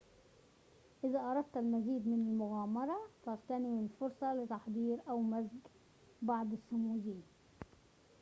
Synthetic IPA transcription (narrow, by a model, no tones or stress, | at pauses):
ʔɪzaʔɑɾˤɑd̪̚t̪almaziːd̪mɪnalmʊɣaːmɑɾˤɑfɑɾt̪aniɪlfʊɾsˤɑlɪt̪ɑħd̪ˤiːɾʔawmazɡ | bɑʕd̪ˤɪsːʊmuːziː